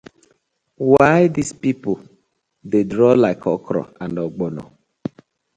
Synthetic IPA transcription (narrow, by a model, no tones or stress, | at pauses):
waɪdispipo | dedɾɔlaɪkʰɔkɾɔ̰ãndɔɡ͡bɔnɔ̰